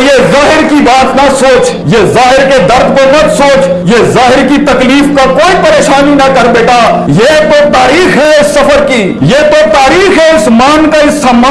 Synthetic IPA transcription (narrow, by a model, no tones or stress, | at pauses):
jezaːɦɪɾkibaːt̪nasoːt͡ʃ | jezaːɦɪɾked̪əɾd̪ʱkomət̪soːt͡ʃ | jezaːɦɪɾkit̪əkliːfʰkakoːipəɾeːʃaːninɐkəɾbeːʈa | jet̪ot̪aːɾiːxɦeɪsːəpʰəɾki | jet̪ot̪aːɾiːxɦeɪsmaːnkaɪsʰamːa